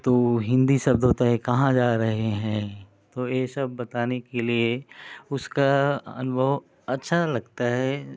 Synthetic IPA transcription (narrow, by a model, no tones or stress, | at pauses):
t̪oːɦɪ̃nd̪isɐb̚d̪ʱɦoːt̪aɦɛkɐɦãd͡ʒaːɾɐɦeɦɛ̃ː | t̪oːjeːsɐbːɐt̪aːnekelieʊskaɐ̰nʊbʱəʋ | ɐtːʃʰalɐɡt̪aɦɛː